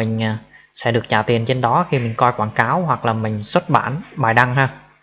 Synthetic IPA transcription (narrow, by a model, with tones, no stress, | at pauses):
ï˨˩ŋ̟ː˨˩sɛ̰˧˥ɗɨ˨˩ək̚t͡ɕaː˨˩t̪i˨˩ənt͡ɕe˧nɗɔ˨˦xi˧mï˨˩ŋ̟kɔ˧jkwaː˧˩nkaː˨˦wɦwa˨˩k̚laː˨˩mï˨˩ŋ̟swə˦˥t̚ɓa̰ː˧˩nɓaː˨˩jɗa˧ŋɦaː˧